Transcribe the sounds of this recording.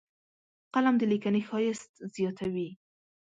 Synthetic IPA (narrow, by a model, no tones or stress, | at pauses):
qalamd̪əlikanexɑjɪst̪zjɑt̪ʰawi